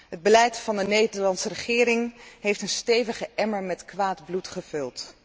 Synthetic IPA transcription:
ɦəd̚bəlɛjtfɑndənejdəɹlɑnsərəχɪːɾɪŋɦejftənstejvəχəʔɛməɹmɛtkʋaːdblutχəvɵlˠt

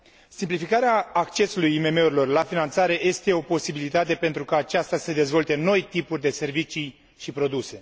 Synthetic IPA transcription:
simplifikaɾeaːkt͡ʃe̞sulujime̞me̞uɾilo̞rlafinant̪saɾe̞je̞st̪e̞o̞po̞sibilit̪at̪e̞pe̞nt̪ɾukaːt͡ʃast̪ased̪e̞zvo̞lt̪e̞no̞jt̪ipurʲd̪e̞se̞rvit͡ʃij | ʃipɾo̞d̪use̞

